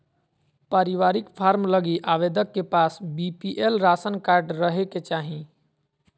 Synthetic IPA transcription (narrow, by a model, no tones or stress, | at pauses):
paɾiʋaɾikpʰaɾmləɡiʔaʋed̪əkːepasbipiʔelɾasənkaɾɖɾəɦeket͡ʃaɦĩ